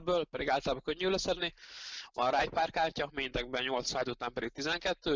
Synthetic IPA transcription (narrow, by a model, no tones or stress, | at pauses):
d̪̚bøːlpɛd̪iɡaːlt̪ɐlaːbɒkøɲːylɛsɛd̪nivɒ̰nɾaːjpaːrkaːrcɒmeːnt̪ɛɡ̚bɛɲo̞lt̪saːd̪ut̪aːmpɛd̪ik̚t̪izɛŋkɛt̪ːøː